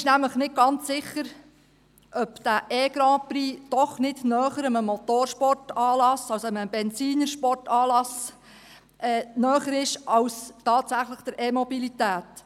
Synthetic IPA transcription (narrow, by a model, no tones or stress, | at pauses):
ɪʃnæmləχnɪt̚ɡ̥ɑnt͡sːɪχəɾ | ʔœpd̪̥æʔɛːɡɾɑ̃ːpɾiːd̥ɔχnɪdnœːχəɾəməmɔtoːɾʃpɔrtɑːlɑsɑwsoəməbɛnt͡siːnəɾʃpɔrtɑːlɑs | ʔɛːnœːχəɾɪʃɑwstɑːtsæχləχd̥əɾʔemɔbilitæːt